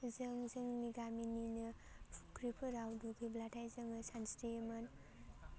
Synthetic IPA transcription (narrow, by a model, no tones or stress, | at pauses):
zɯŋzɯŋniɡamininɯ | kɾipʰɯɾawduɡiblatʰajzɯŋɯsansteman